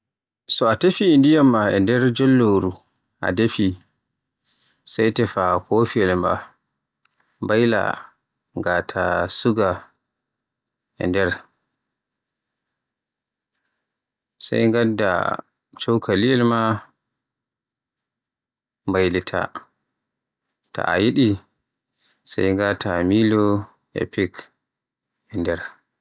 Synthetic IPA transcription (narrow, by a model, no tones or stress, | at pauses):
sɔatefiːndijamːaɛ̰ndɛɾd͡ʒɔlːoɾu | ʔa̰defi | sajtɛfakofiɛlma̰ | mbajla̰ | ŋɡatʰasuɡa | ɛ̰ndɛɾ | sa̰jŋɡadːa̰ | t͡ʃɔwkʰaliɛlma | mbajlitʰa̰ | ta̰ʔa̰jiɗi | sa̰jŋɡatʰamilɔ | ɛ̰pik | ɛndɛɾ